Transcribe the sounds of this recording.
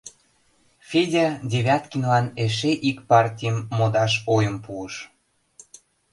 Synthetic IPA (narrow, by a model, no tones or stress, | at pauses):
fʲedʲadʲeβʲɑt̪kʲinlɑneʃeʔikpɑrtʲijəmːod̪ɑʃojəmpuəʃ